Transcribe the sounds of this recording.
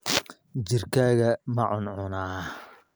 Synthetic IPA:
d͡ʒɪrkʰaːɣɐmɐʕʊnʕʊnaː

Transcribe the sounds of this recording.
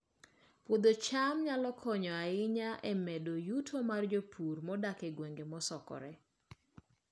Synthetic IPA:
pwod̪ot͡ʃamɲalɔkʰɔɲɔaɪɲaʔɛmɛdojutʰomard͡ʒopʰurmɔdakɛɡweŋɡemɔsɔkɔ̰ɾɛ

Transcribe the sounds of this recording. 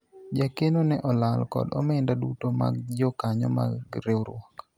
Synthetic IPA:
d͡ʒakenonɛʔɔlalkɔ̰dɔ̰mɛndadutoma̰ɡ̚d͡ʒɔkaɲɔ̰ma̰ɡɾewɾɔk

